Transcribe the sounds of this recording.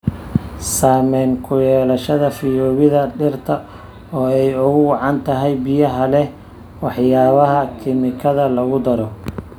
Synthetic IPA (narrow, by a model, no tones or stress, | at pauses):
saːmɛːŋkʰʊjɛːlɐʃɐðɐfɪjɔːβɪðɐɖɪrt̪ʰɐ | ɔːɛjʊɣʊwɑʕɑnt̪ʰɐɦɛjbɪjɐɦɐlɛ | wɑħjaːβɐɦɐkʰɪmɪkʰɐðɐlɐɣʊd̪ɐɾɔ